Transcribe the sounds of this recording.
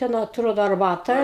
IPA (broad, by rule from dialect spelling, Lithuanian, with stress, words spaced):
ˈtʲɛn ɐtˈroːdoː ɐrˈbɑːtɐ